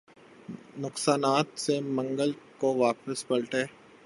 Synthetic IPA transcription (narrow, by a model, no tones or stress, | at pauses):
nʊqsaːnaːt̪semɐ̃ŋɡəlkoʋaːpəspɐɾʈɦeː